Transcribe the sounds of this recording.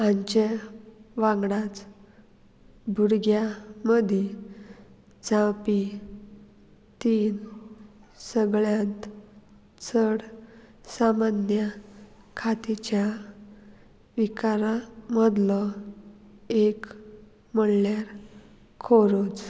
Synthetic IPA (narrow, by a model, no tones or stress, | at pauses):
ãɲt͡ɕe | ʋãŋɡɽat͡s | bʱuɾɡjaməd̪ʱi | d͡zãpi | t̪iːn | səɡɭjãt̪ | t͡sʰəɽ | samanjə | kʰat̪it͡ɕja | ʋikaɾaməd̪lə | ek | məɽljaɾ | kʰoɾot͡s